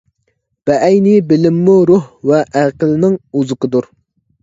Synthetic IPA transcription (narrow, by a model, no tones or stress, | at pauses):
b̥ɛʔɛjnɪbɪlɪmːuɾuhvɛʔæqəlnɪŋuzɨqəd̪uɾ